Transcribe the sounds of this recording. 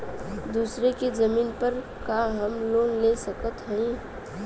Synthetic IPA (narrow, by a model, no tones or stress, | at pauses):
d̪uːsɾekezɐmiːnpəɾ | kaɦɐmloːnlesəkət̪ɦəĩ